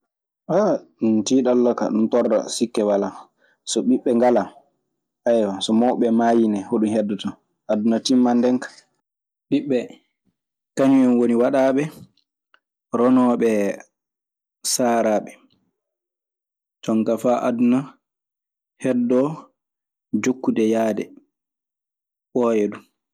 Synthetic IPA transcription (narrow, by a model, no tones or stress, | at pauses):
ʔantiːɗalːaka̰ɗuntɔrːa̰sikːɛwala | sɔɓiɓːɛŋɡala | ʔajwasɔmɔwɓɛmajinɛhoɗuhɛdːɔta | ʔadunatimːandɛŋkḁ | ɓiɓːɛ | kaɲuɛnwoniwaɗaːɓɛ | ɾɔnɔːɓɛ | saːɾaɓɛ | tɔŋɡafaʔa̰duna | hɛdːɔ | d͡ʒokːudɛjaːdɛ | ɓɔjɛdu